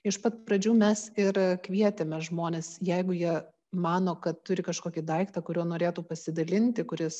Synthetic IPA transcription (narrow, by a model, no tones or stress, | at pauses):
ɪʃpɐt̪pɾɐd͡ʒʲuːmʲɛsɪɾkʋʲiɛt̪ʲemʲɛʒmoːnʲeːsjɛɪɡʊjiɛ | mɑːnoːkɐt̪t̪ʊɾʲɪkɐʃkoːkʲɪd̪ɐɪkt̪ɐkʊɾʲuːnoːɾʲeːt̪uːpɐsʲɪd̪ɐlʲɪnʲt̪ʲɪkʊɾʲɪs